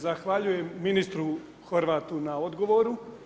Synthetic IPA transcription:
zaxʋaʎujemːinist̪ɾu | xoɾʋaːt̪unao̞d̪ɡo̞ʋoɾu

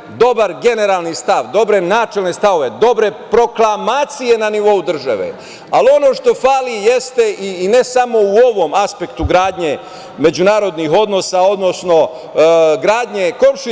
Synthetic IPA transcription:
d̪o̞baɾɡe̞ne̞ɾaːlˠnist̪aʋd̪o̞bɾe̞naːt͡ʃelnest̪aʋo̞ʋe̞d̪o̞bɾe̞pɾo̞klˠamaːt̪sije̞naniʋo̞ud̪r̩ʒa̰ʋḛ | alio̞no̞ːʃt̪o̞faːlije̞st̪e̞ʔiːne̞samo̞uo̞ʋo̞maspe̞kt̪uɡɾaːd̪ɲe | me̞d͡ʑunaːɾo̞d̪nixo̞d̪no̞sao̞d̪no̞sno̞ | ɡɾaːd̪ɲe̞ko̞mʃi

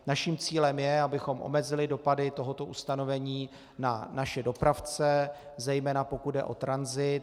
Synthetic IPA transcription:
naʃiːmt͡siːlɛmjɛabɪxo̞mʔo̞̰mɛzɪlɪdo̞padɪt̪o̞ɦot̪o̞ʔust̪ano̞vɛɲiː | nanaʃɛdo̞pɾaft͡sɛ | zɛjmɛːnapo̞kud̪̚dɛ̰ʔo̞̰t̪ɾanzɪt̪

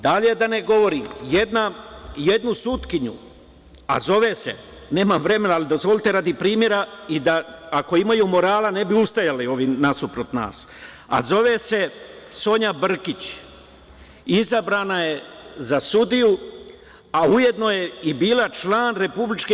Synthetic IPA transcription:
d̪aʎed̪ane̞ɡo̞ʋo̞ɾiːmjed̪naje̞d̪nusut̪kiɲṵ | a̰zo̞ʋe̞se̞̰ | ne̞ːmamʋɾe̞me̞naalid̪o̞zʋo̞lʲit̪e̞ɾaːd̪ipɾiːmje̞ɾaid̪aako̞imajumo̞ɾaːlane̞biust̪ajalio̞ʋinasupɾot̪na̰ːs | a̰zo̞ʋese̞so̞ɲabr̩kit͡ɕ | izabɾaːnaje̞zasud̪iju | auje̞d̪no̞je̞ibiːlat͡ʃlaːnɾe̞publit͡ʃke

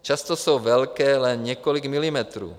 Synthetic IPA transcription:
t͡ʃast̪ɔsuːʋɛlkɛːlɛnɲɪɛkɔliɡmilimɛt̪ɾṵː

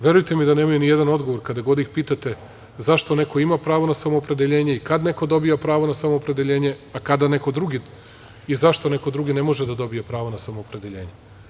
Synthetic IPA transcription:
ʋje̞ɾujt̪emid̪aneːmajunijed̪ano̞d̪ɡo̞ʋoɾkad̪aɡo̞d̪ixpiːt̪at̪e | zaʃt̪o̞ne̞ko̞imapɾaːʋo̞nasamo̞ːpɾe̞d̪eʎe̞ːɲe̞ikad̪ne̞ko̞d̪o̞bijapɾaːʋo̞nasamo̞ːpɾe̞d̪eʎe̞ːɲe̞akad̪ane̞ko̞d̪ɾuɡi | izaʃt̪o̞ne̞ko̞d̪ɾuɡine̞mo̞ʒed̪ad̪o̞bijepɾaːʋonasamoːpɾe̞d̪eʎe̞ːɲe̞

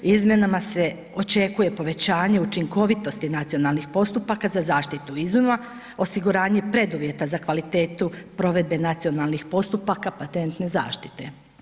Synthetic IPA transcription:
izmje̞namase̞ | o̞t͡ʃe̞kuje̞po̞ʋe̞t͡ɕaːɲe̞ut͡ʃiŋko̞ʋit̪o̞st̪inat̪sijo̞nalˠnixpo̞st̪upakazazaːʃt̪it̪uizuma | o̞siɡuɾaːɲe̞pɾe̞d̪uʋje̞t̪azakʋalit̪e̞ːt̪upɾo̞ʋe̞d̪̚be̞nat̪sio̞nalˠnixpo̞st̪upakapat̪e̞nt̪ne̞za̰ːʃt̪i̥t̪e̞

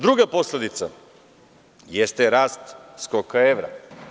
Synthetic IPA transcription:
d̪ɾuɡapo̞sled̪it̪sa̰ | jest̪eɾaːst̪skokaeʋɾa̰

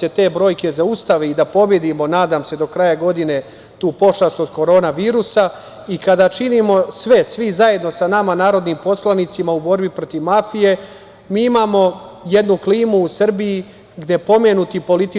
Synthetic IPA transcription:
e̞t̪eːbɾo̞ːjke̞zaust̪aʋeid̪apo̞bje̞d̪imo̞naːd̪aːmse̞d̪o̞kɾajaɡo̞d̪ine̞ | t̪uːpo̞ʃast̪od̪ko̞ɾo̞ːnaʋiːɾusa | ikad̪aːt͡ʃinimo̞sʋe̞sʋizajed̪no̞sanamanaːɾo̞d̪niːmpo̞slˠanit̪simaubo̞ɾbipɾot̪iʋmafije̞ | miːimaːmo̞je̞d̪nukliːmuːsr̩biji | ɡd̪ʲje̞po̞menut̪ipo̞lit̪i

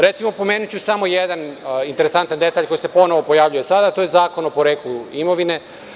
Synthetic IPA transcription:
ɾe̞t̪simo̞po̞me̞ːnut͡ɕusamo̞jed̪anint̪eɾe̞sant̪and̪e̞t̪aʎko̞jisepo̞noʋo̞po̞jaːʋʎujesad̪at̪oje̞zaːko̞nopo̞ɾe̞ːkluimo̞ʋine̞

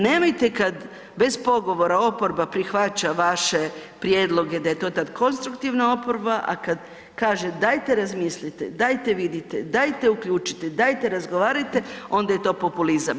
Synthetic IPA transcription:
neːmojt̪e̞kad̪ | be̞zpo̞ɡo̞ʋo̞ɾao̞po̞ɾbapɾixʋat͡ɕaʋaʃe̞pɾje̞ːd̪lˠo̞ɡe̞d̪aje̞t̪o̞ːt̪ad̪kʰo̞nst̪ɾukt̪iʋnao̞poɾbaʔa̰kad̪ | kaːʒed̪ajt̪e̞ɾazmislit̪ḛd̪ajt̪e̞ʋid̪it̪ḛd̪ajt̪e̞ukʎʲuːt͡ʃi̥t̪ed̪ajt̪e̞ɾazɡoʋaːɾajt̪e̞o̞nd̪aje̞t̪o̞ːpo̞pulizam

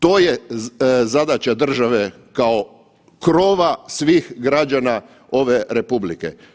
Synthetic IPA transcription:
t̪oːje | zad̪at͡ɕad̪r̩ʒaʋe | kao̞ | kɾo̞ʋasʋiːxɡɾad͡ʒana | o̞ʋe̞ɾe̞publikḛ

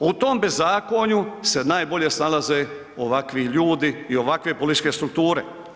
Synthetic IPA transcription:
ut̪oːmbezːaːkoɲuse̞naːjbo̞ʎe̞snalaze | oʋakʋiʎuːd̪iio̞ʋakʋe̞polit̪it͡ʃke̞st̪ɾuk̚t̪uːɾe̞

